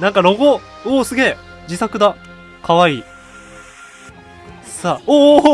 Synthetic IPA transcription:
nãŋkaɾo̞ɡo | oːsɨɡʲe̞ː | d͡ʑisakɯ̟d̪a | kʰaβaiː | saːoː

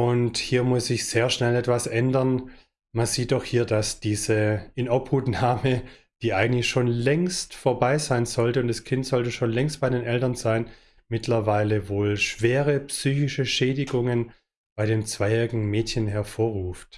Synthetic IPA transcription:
ʔʊnthiːɐmʊsz̥ɪçz̥eːɐʃnɛlɛtv̥asʔɛndɐn | manziːt̚d̥ɔxhiːɐdasd̥iːzəɪnʔɔphuːtnaːmə | d̥iːʔaɪɡŋ̩tlɪçʃoːnlɛŋstfoːɐbaɪzaɪnzɔltəʊntd̥askʰɪntz̥ɔltəʃoːnlɛŋstb̥aɪɾeːnʔɛltɐnzaɪn | mɪtʰlɐvaɪləvoːlʃv̥eːʁəpsyːçɪʃəʃɛːdɪɡʊŋən | b̥aɪɾeːnt͡sv̥aɪɛʁɪɡŋ̩mɛːtçənɦɛɐfoːɐʁuːft

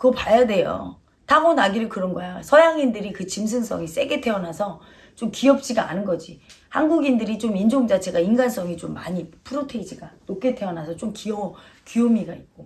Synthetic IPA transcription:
kɯʌpajade̞jo̰ | taɡonaɡiɾɯɭkɯɾʌnɡʌjosʰʌjaŋindɯɾikɯt͡ɕims̬ʰɯns͈ʌŋis͈e̞ɡe̞tʰe̞ʌnasʰʌ | t͡ɕomkiʌp̚t͡ɕ͈iɡaa̰nɯnɡʌd͡ʑihanɡuɡindɯɾit͡ɕomind͡ʑoŋd͡ʑat͡ɕʰe̞ɡainɡans͈ʌŋit͡ɕomːaɲipʰɯɾotʰeid͡ʑiɡanok̚k͈e̞tʰe̞ʌnasʰʌt͡ɕ͈omkiʌ | kijomiɡait̚k͈o

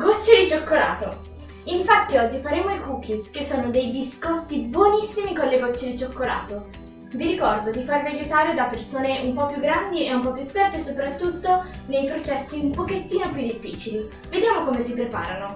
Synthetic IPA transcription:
ɡot͡ʃːed̪it͡ʃokːola̰ːt̪o | iɱfat̪ːiɔd͡ʒːifaɾeːmoikuːkiskesːoːnod̪ejd̪iskɔt̪ːibwonisːimikonleɡot͡ʃːed̪it͡ʃokːola̰ːt̪o | viɾikɔrd̪od̪ifarviajut̪aːɾed̪apːersoːneumpɔpːjuɡːɾand̪ieumpɔpːjuspɛrt̪esopɾat̪ːut̪ːonejpɾot͡ʃɛsːiumpoket̪ːiːnoepjud̪ːifːiːt͡ʃili | ved̪jaːmokomesipɾepa̰ːɾano

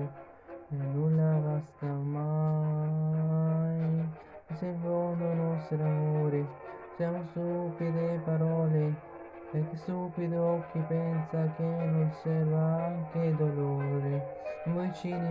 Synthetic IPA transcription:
enːulːaɡast̪ama | j | sevononɔst̪ɾamoːɾe | sjamost̪upid̪epaɾɔːle | peɾkːesupid̪okːipɛnsakenonsɛvaaŋked̪oloːɾemujt͡ʃin

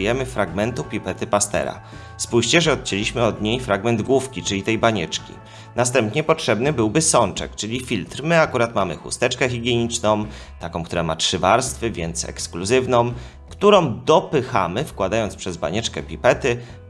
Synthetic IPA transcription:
jɛmɘfɾaɡmɛnt̪upʲipɛt̪ɘpast̪ɛ̰ɾa̰ | spuɕt͡ɕɛʐɛɔt̪̚t͡ɕɛlʲiɕmɘɔd̪ɲejfɾaɡmɛnd̪ɡwufkʲit͡ʂɘlʲit̪ɛjbaɲɛt͡ʂkʲḭ | nast̪ɛmpɲɛpɔtʂɛbnɘbɘwbɘsɔnt͡ʂɛ̰kt͡ʂɘlʲifʲilt̪ɾmɘakuɾat̪mamɘ̰xṵst̪ɛt͡ʂkɛxʲiɡʲjeɲit͡ʂnɔ̃w̃ | t̪akɔ̃w̃kt̪uɾamatʂɘvaɾst̪fɘvʲjɛnt̪sɛ̰kskluzɘvnɔ̃w̃ | kt̪uɾɔ̃w̃d̪ɔpɘxa̰mɘfkwad̪ajɔnspʂɛzba̰ɲɛt͡ʂkɛpʲipɛt̪ɘ

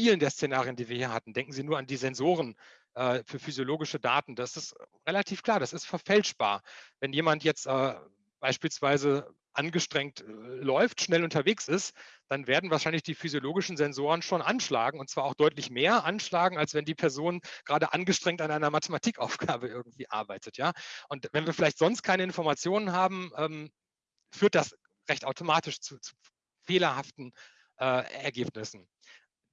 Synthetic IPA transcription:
fiːləndeːɐst͡senaːʁijəndiːviːɐhiːɐhatn̩dɛŋkŋ̩ziːnuːɐandiːzɛnzoːʁ̞ən | ʔɛːfyːɐfyzjoloːɡɪʃəda̰ːtn̩daːɪsɪstʁelatʰiːfkʰl̥aːɐdasɪstfɛɐfɛlʃb̥a̰ːɐvɛnjeːmantjɛt͡stʔɛː | b̥aɪʃpiːlsv̥aɪzə | ʔanɡəʃtʁ̥ɛŋtlɔʏftʃnɛlʊntɐveːksɪstd̥anveːɐdn̩vaɐʃaɪnlɪçd̥iːfyzjoloːɡɪʃn̩zɛnzoːʁənʃoːnʔanʃla̰ːɡŋ̩ʊntt͡sv̥aːɐaʊxd̥ɔʏtlɪçmeːɐʔanʃlaːɡŋ̩alsvɛndiːpʰɛɐzoːnɡ̥ʁaːdəʔanɡəʃtʁ̥ɛŋ̚tanʔaɪnɐmatʰəmatʰiːkʔaʊfɡ̥aːbəʔɪɐɡŋ̩tv̥iːʔa̰ɐbaɪtʰətjaːʔʊntvɛnviːɐfɪlaɪçtz̥ɔnst̚kʰaɪnəɪnfɔɐmat͡sjoːnənɦaːbm̩ʔɛːm | fyːɐt̚d̥as | ʁɛçtaʊtʰomaːtɪʃt͡suːt͡su̥ː | feːlɐhaftn̩ | ʔɛːɛ̰ɐɡeːpnɪsn̩

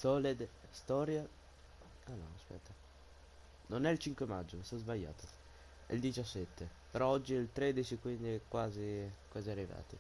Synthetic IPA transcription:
sɔled̪st̪ɔɾja | anɔ̰aspɛ̰t̪ːa | nonɛilt͡ʃiŋkwemad͡ʒːomast̪ɔzbaʎːa̰ːt̪o | ɛ̰ld̪it͡ʃasːɛt̪ʰːe | peɾɔɔd͡ʒːiilt̪ɾed̪it͡ʃikwind̪iɛkwaːzikwaːziarːiva̰ːt̪ḭ

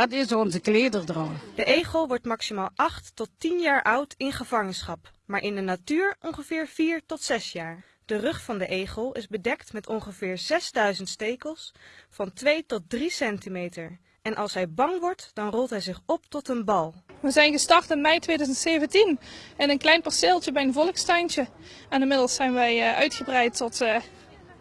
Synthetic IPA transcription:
ɑtɪsnzəkleːdərdrɔmd̥əʔejχəlˠʋɔɹtmɑksimaːlˠɑχtːɔtinjaːɹʔʌwtɪnχəv̥ɑŋənsχɑp | maːɹʔɪndənatyːɹɔŋχəvɪːɹv̥iːɹtɔtsɛsjaːɹ | d̥ərɵχfɑndəʔejχəlˠɪzbədɛktmɛtɔŋχəvɪːɹzɛzdœɥzəntstejkəlˠsfɑntʋejtɔt̚drisɛntimejtəɹ | ɛnʔɑlˠsɦɛjbɑŋʋɔɹtd̥ɑnrɔlˠtɦɛjzɪχɔp̚tɔtənbɑlˠʋəzɛjnɣəstɑrtɪnmɛjtʋejdœzəntsejvəntinɛnənklɛjnpɔɹsɪlˠt͡ʃəbɛjənvɔləkstɛjnt͡ʃə | ɛnɪmɪdəl̩ˠsɛjnʋɛjœ̰ɥtxəbrɛjtɔtː

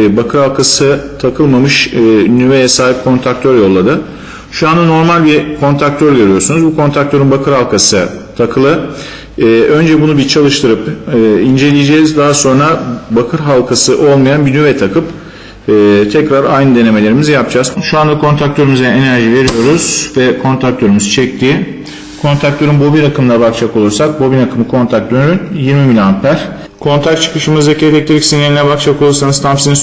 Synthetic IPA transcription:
bakʰɯɾhalˠkʰasɯt̪ʰakʰɯlˠmamɯʃnyvejɛsaːɦip̚kʰo̞nt̪ʰak̚t̪ʰøɾjo̞lˠːad̪ɯ | ʃuand̪ano̞ɾmalʲbikʰo̞nt̪ʰɾak̚t̪ʰøɾɟø̞ɾyjo̞ɾsunuzbukʰo̞nt̪ʰɾak̚t̪ʰø̞ɾinbakʰɯɾhalˠkʰasɯt̪ʰakʰɯlˠɯː | ʔø̞nd͡ʒɛbunubit͡ʃʰalˠɯʃt̪ʰɯɾɯpːind͡ʒe̞lʲijed͡ʒɛːzd̪aɦaso̞nɾabakʰɯɾɦalˠkʰasɯʔo̞lˠmajanbinyvɛt̪ʰakʰɯpː | t̪ʰɛcɾaɾajnɯd̪e̞ne̞melʲe̞ɾimizɛjap̚d͡ʒaːz̥ʃuand̪akʰo̞nt̪ʰɾak̚t̪ʰø̞ɾymyzɛenæɾʒive̞ɾijo̞ɾuz̥vɛkʰo̞nt̪ʰɾak̚t̪ʰøɾymyzt͡ʃʰɛc̚t̪ʰiː | kʰo̞nt̪ɾak̚t̪ʰøɾynbobiɾakʰɯmlˠabak̚t͡ʃʰako̞lˠuɾsak̚bobinakʰɯmɯkʰo̞nt̪ʰak̚d̪ønyɾynjiɾmimilʲanpʰæɾ̥ | kʰo̞nt̪ʰak̚t͡ʃʰɯ̥kɯʃɯmɯzdecʰːlʲɛc̚t̪ʰeɾicsinelʲinʲɛbak̚t͡ʃʰako̞lˠuɾsanɯzt̪ʰampsinin

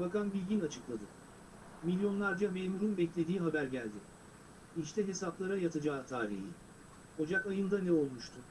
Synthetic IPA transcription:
bakanbilʲɟinat͡ʃʰɯklˠad̪ɯ | milʲjo̞nlˠaɾd͡ʒamemuɾunbɛclʲe̞d̪iːɦabæɾɟælʲd̪ɪ | iʃt̪ʰɛɦe̞saplˠaɾajat̪ʰad͡ʒaːt̪ʰaːɾḭhi | ho̞d͡ʒakajɯnd̪anɛo̞lˠmuʃt̪ʰʊ

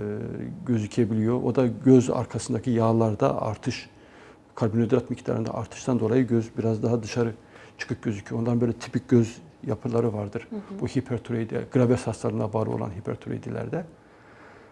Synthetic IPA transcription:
ɟø̞zycʰebilʲijo̞ʔo̰d̪aɟøza̰ɾkʰasɯnd̪acʰijaːlˠaɾd̪a̰a̰ɾt̪ʰɯʃ | kʰalʲbinod̪ɾat̪micʰt̪ʰa̰ɾɯnd̪a̰ʔaɾt̪ʰɯ̥ʃt̪ʰand̪o̞lˠajɯɟøzbiɾazd̪aɦad̪ɯʃaɾɯ | t͡ʃʰɯ̥kʰɯk̚ɟø̞zycʰyjoonlˠaɾɯnbøjlʲɛt̪ʰi̥pic̚ɟøz | japʰɯlˠaɾɯvaɾd̪ɯɾb̥uhipʰɛɾt̪ʰuɾejd̪ɛ̰ɡ̥ɯɾabɛshast̪ʰalˠɯnabaːlˠɯo̰lˠa̰nɦipʰɛ̰ɾt̪ʰuɾḛjd̪ilʲæ̰ɾd̪ɛ

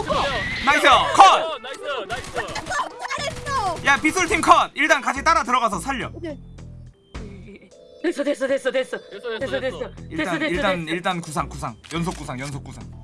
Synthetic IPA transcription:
mas̬ʰejokʰʌt̚ | aɾesojapis͈ʰuɭtʰiŋkʰʌd̚iɭt͈ankaɕʰit͈aɾatɯɾʌɣas̬ʰʌsʰaʎːʌ | esʌdes͈ʌdes͈ʌdes͈ʌssiɭt͈aniɭt͈aniɭt͈ankus̬ʰaŋkusʰaŋjʌnsʰok͈usʰaŋjʌnsʰok͈usʰa̰ŋ

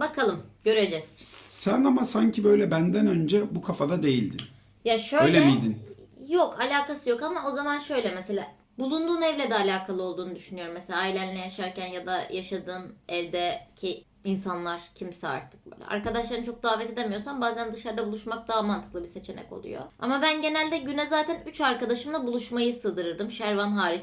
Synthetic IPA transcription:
bakʰalˠɯmɟø̞ɾe̞d͡ʒɛz̥sænamasaɲcʰibø̞jlʲɛbænd̪ænø̞nd͡ʒɛbukʰafad̪ad̪e̞jilʲd̪in | jaʃøøjlʲemijd̪injokʰalʲaːkasɯjo̞kamao̞zamanʃø̞jlʲɛmɛse̞lʲa̰ː | bulˠund̪uːnɛvlʲɛd̪ɛalʲaːkʰalˠɯo̞lˠd̪uːnud̪yʃynyjo̞ɾumːɛse̞lʲaːilʲænlʲɛjaʃaɾcænjad̪ajʔaʃad̪ɯːnɛlʲd̪ɛcʰi | insanlˠaɾ̥cʰimsɛa̰ɾt̪ʰɯ̥k̚bø̰jlʲɛ̰ʔa̰ɾkad̪aʃlˠaɾɯnt͡ʃʰok̚d̪aːvɛt̪ʰe̞d̪emijo̞sambaːzænd̪ɯʃaɾd̪abulˠuʃmak̚d̪aːamant̪ʰɯ̥klˠɯbise̞t͡ʃʰe̞nɛ̰ko̞̰lˠṵjo̞̰a̰mabænɟe̞nælʲd̪ɛɟynɛzaːt̪ʰænyt͡ʃaɾkad̪aʃɯmlˠabulˠuʃmajɯsɯːd̪ɯɾɯɾd̪ɯmʃæɾvanɦaːɾit͡ʃ

